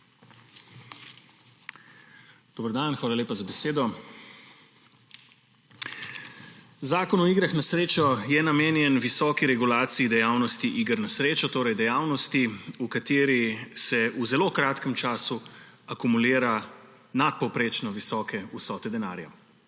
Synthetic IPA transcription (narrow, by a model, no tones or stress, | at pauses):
d̪̥oːbəɾd̪anxʋaːlaleːpazabɛseːd̪ɔ | zaːkɔnɔiɡɾaxnasɾeːt͡ʃɔjɛnameːnjɛnʋisɔːkiɾɛɡulaːt̪siid̪ɛjaːwnɔst̪iʔiːɡəɾnasɾeːt͡ʃɔt̪oːɾɛjd̪ɛjaːwnɔst̪iukat̪eːɾisɛuzɛloːkɾaːt̪kəmt͡ʃaːsu | akumuliːɾa | nat̪̚pɔwpɾeːt͡ʃnɔʋisɔːkɛusɔːt̪ɛd̪ɛna̰ːɾja̰